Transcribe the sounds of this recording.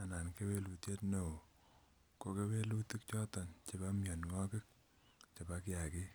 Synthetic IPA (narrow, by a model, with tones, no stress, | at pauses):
a˨na˨nke˦we˦lu˨tje˦tno˨o˨ | ko˦ke˦we˦lu˦ti˦k̚t͡ʃɔ˦tɔ˨nt͡ʃe˨ba˦mjɔ˨nŋɔ˦kɪ˦k̚ | t͡ʃe˨ba˦ka˨ki˦